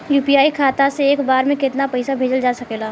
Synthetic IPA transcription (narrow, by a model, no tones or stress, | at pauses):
juːpiaːikʰaːt̪aseeːkbaːɾmẽkɪt̪napɛɪsabʱeːd͡ʒəld͡ʒaːsɐkeːlaː